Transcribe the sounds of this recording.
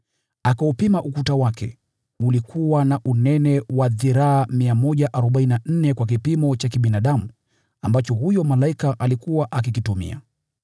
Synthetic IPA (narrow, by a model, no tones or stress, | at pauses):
akaupimaʔukutawakɛ̰ | ulikʰuwanaʔunɛnɛwaðiɾaːmiamɔʄaʔaɾɔɓainan̩nɛkwak̬ipimɔt͡ʃakiɓinaɗamu | ambat͡ʃɔhujɔmalaikaʔalikuwaʔak̬ikitumḭa̰